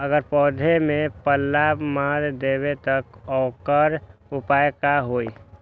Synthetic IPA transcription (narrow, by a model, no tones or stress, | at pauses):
əɡəɾpɔːd̪ʱemẽpəlːabmaɾd̪ebet̪əkɔːkəɾʊpajkaɦoi